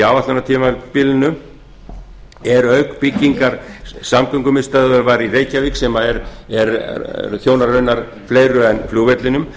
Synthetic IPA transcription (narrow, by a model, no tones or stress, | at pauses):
avat̪anat̪ʰiːmapɪlnʏ | ɛɾœɥkpɪcːiŋkaɾ̥samkœŋkʏmɪst̪aðʏɾvaːɾireːjcaviksɛmaðɛɾɛɾθjoːwnaɾrːœɥnaɾ̥ | fleːjɾʏɛnfljuːvɛt̪lɪnʏm